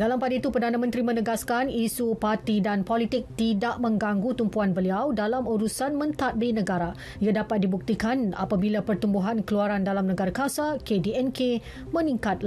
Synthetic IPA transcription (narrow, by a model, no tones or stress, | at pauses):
dalampadait̪upərdanãmə̃nt̪ɾimə̃nəɡaskanisupart̪idanpɔlit̪ɪk̚t̪idaʔmə̃ŋɡaŋɡut̪umpuanbəliawdalamuɾusanmə̃nt̪at̪̚binə̃ɡaɾa | iadapat̪̚dibuk̚t̪ikana̰pabilapərt̪umbuɦankəluaɾandalamnəɡaɾakasakediɛnkʰe | mə̃nĩŋkat̪̚l